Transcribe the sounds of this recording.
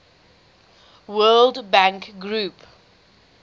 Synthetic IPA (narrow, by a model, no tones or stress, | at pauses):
wɜːldbãŋkɡɹuːp